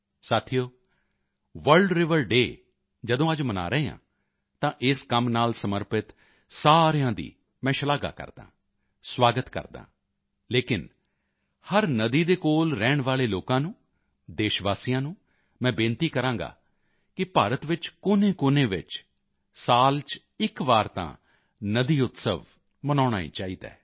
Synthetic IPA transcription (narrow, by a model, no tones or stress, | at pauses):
saːt̪ʰijoː | ʋəɾɖɾɪʋəɾɖeː | d͡ʒəd̪õːəd͡ʒməna̰ːɾəeːã̰ː | t̪ãːʔɪskəmnaːlsəməɾpɪt̪ | saːɾjãːd̪ḭː | mɛ̃ːʃəlaːɡa̰ːkə̰ɾd̪ã̰ː | swaːɡət̪kə̰ɾd̪ã̰ː | leːkɪn | həɾnəd̪iːd̪eːkoːlɾɛːɳʋaːleːloːkãːnũː | d̪eːʃʋaːsijãːnũː | mɛ̃ːbɪ̃nt̪iːkəɾãːŋɡa̰ː | kɪpaːɾət̪ʋɪt͡ʃkʊneːkʊnẽːʋɪ̰t͡ʃ | saːlt͡ʃ | ɪkʋaːɾt̪ã̰ː | nəd̪iːʊt̪sə̰ʋ | mənaːɽ̃aːḭːt͡ʃaːiːd̪a̰ː